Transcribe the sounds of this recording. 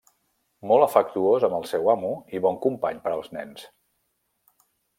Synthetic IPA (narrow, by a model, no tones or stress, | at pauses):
mɔlˠəfək̚t̪uozəməlˠsɛwamuiβɔŋkumpaɲpəɾəlˠznɛ̰ns